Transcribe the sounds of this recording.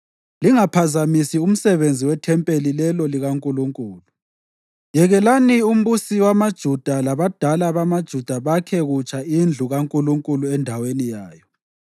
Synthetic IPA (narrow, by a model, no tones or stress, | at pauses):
liŋapʰazamisium̩sɛβend͡zʱiwɛtʰɛmpʼelilɛlɔliɣaŋkʼuluŋkʼuːlu | jɛɣɛlanium̩βusiwamad̥ʒ̥ʱud̥ʱalaβad̥ʱalaβamad̥ʒ̥ʱud̥ʱaβakʰɛɣut͡ʃʰʼaind͡ɮʱuɣaŋkʼuluŋkʼuluɛndʱawenijaːjɔ